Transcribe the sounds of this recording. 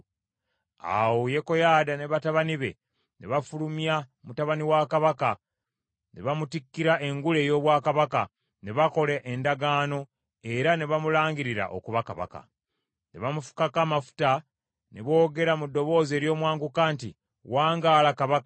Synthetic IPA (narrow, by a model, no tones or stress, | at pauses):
a̰woje̞ko̞jaːdane̞βataβaniβe̞̰ | ne̞βafulumjamutaβaniwakaβaka | ne̞βamutikːiɾaʔe̞ŋɡule̞ːjo̞ːβwaːkaβaka | ne̞βako̞leʔendaɡaːno̞ | e̞ɾane̞βamulaːŋɡiɾiɾa̰ʔo̰kuβakaβa̰ka̰ | ne̞βamufu̥kakaːmafu̥ta | ne̞βo̞ːɡe̞ɾamudːo̞βo̞ːze̞ːɾjo̞ːmwaːŋɡukaːnti | waːŋɡaːlakaβakḁ